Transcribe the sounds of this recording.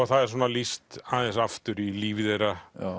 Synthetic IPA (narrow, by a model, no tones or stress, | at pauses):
aθaðɛɾ̥s̬ɔːnalist̪aːðɛnsaft̪ʏɾiliːvɪðejra